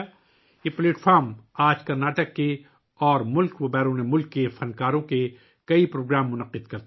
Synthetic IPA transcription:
jepleːʈfʰaːɾmaːd͡ʒkɐɾnaːʈəkːe | ɔːɾmʊlkʋɐbɛːɾõnemʊlkːefɐnkaːɾõke | kɐipɾoːɡɾaːmːʊnəqɪd̪̚kɐɾt̪

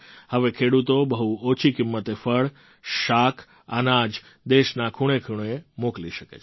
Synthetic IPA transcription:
həʋekʰeɽut̪obəɦuot͡ʃʰikɪmːət̪efəɭ | ʃakʰ | ə̰nad͡ʒ | d̪eʃnakʰuɽ̃ekʰuɽ̃oemokliʃəkḛt͡ʃʰ

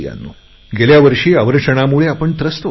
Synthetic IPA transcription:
ja̰nːu | ɡeljaʋəɾʂiːaʋəɾkʂəɽ̃amuɭeapəɳt̪ɾəst̪o

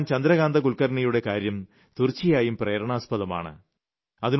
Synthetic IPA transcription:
nt͡ɕɐnd̪ɾɐɣaːnd̪ɐɡuɭkɐrɳijuɽe̞kaːɾjɐm | t̪urt͡ɕːijaːjumpreːɾɐɳaːspɐðɐma̰ːɳɨ̰ | ɐðin

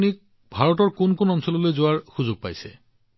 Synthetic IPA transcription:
nik̚ | bʱaɹɔtɔɹkʊnkʊnɔnsɔlɔlojzoaɹxuzʊɡ̚pa̰jsɛ

